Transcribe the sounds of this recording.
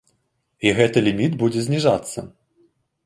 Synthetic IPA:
iɣɛt̪ɨlʲimʲid̪bud͡zʲɛzʲnʲiʐat̪sːɐ

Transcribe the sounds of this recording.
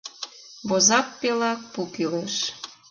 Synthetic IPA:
βozɑk̚pelɑk̚pukileʃ

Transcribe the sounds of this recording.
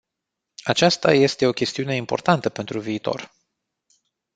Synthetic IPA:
at͡ʃast̪a̰je̞st̪e̞o̞kʲe̞st̪iune̞impo̞rt̪ant̪əpe̞nt̪ɾuviːt̪o̞̰r

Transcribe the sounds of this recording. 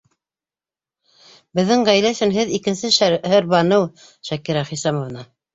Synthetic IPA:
bɘ̆ðːɘŋʁæjlæsɘ̆nɦɘðikɘ̆nsɘʃhɘɾbɑnɤw | ʃækiɾæχisɑmŏvnɑ

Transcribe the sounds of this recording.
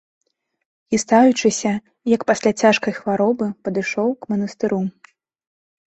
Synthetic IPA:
ist̪ajut͡ʂɨsʲɐ | jɐkpasʲlʲat͡sʲaʂkɐjxvaɾɔbɨpɐd̪ɨʂɔwkmɐnɐst̪ɨɾu

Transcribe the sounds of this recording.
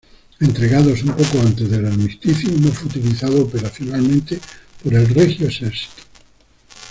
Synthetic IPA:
e̞nt̪ɾe̞ɣaðosumpokoant̪ezðelalmist̪iθjonofweut̪iliθaðoːpeɾaθjonalmẽnt̪epoɾe̞lrexjoeseɾsi̥t̪o̥

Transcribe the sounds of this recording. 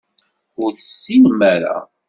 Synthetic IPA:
ʊɾθsːimæɾa̰

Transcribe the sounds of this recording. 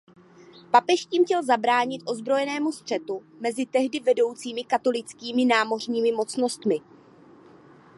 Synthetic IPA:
papɛʃciːmcɛlzabɾaːɲɪt̪ʔo̞zbɾo̞jɛnɛːmust̪r̝̥ɛt̪u | mɛzɪt̪ɛɦdɪvɛdo̞wt͡siːmɪkat̪o̞lɪt͡skiːmɪnaːmo̞r̝ɲiːmɪmo̞t͡sno̞st̪mɪ

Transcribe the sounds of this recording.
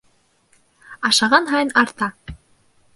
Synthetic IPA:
ɑʃɑʁɑnɦɑjɤnɑɾt̪ɑ

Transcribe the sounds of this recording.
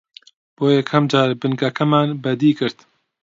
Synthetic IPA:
b̥oːjɛkʰhɐmd͡ʒaːɾbɨnɡɐkʰɐmaːnbɐd̪iːkɨɾt̪

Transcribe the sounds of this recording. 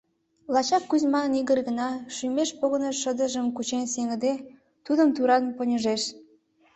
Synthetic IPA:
lɑt͡ɕɑkːyzʲmɑniɣərɡə̆nɑʃymeʃpoɣənəʃəd̪əʒəmkut͡ɕenseŋəd̪e | t̪ud̪əmt̪uɾɑnpənʲəʒeʃ

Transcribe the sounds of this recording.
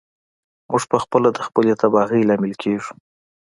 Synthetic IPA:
muʐpəxpəlad̪əxpəlet̪abɑɣilɑmɪlkʰeʐu̥

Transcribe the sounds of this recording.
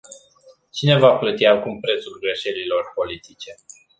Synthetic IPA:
t͡ʃine̞vaplət̪iakumpɾe̞t̪sulɡɾe̞ʃe̞lilo̞rpo̞lit̪it͡ʃe̞

